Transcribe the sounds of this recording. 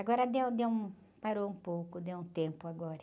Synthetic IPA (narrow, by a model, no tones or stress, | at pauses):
aɡɔɾɐd̪ewd̪ewũ | paɾoũpowkʊd̪ewũt̪ẽmpʊaɡɔɾɐ